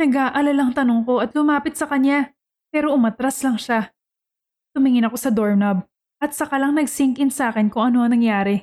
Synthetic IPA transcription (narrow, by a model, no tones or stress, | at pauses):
nɐɡaʔɐlɐlaŋt̪ɐnoŋko̞ʔɐt̪lʊmaːpɪt̪̚sɐkɐɲa | pɛːɾo̞ʔʊmɐt̪ɾaslɐŋʃa | t̪ʊmɪŋɪnɐko̞sɐd̪oɹnɐb̚ | ʔɐt̪̚sɐkɐlɐŋnɐɡsiŋkɪnsaːkɪnkʊŋʔɐnoʔɐŋnɐŋjaːɾɛ